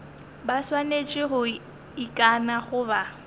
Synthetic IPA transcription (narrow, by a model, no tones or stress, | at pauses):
baswanet͡ʃʼɪɣʊ | ikʼanaχʊba